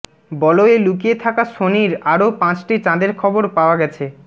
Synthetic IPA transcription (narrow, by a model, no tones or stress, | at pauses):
bɔloelukijet̪ʰakaʃoniɾaɾopãt͡ɕʈit͡ɕãd̪eɾkʰɔboɾpaoaɡɛt͡ɕʰe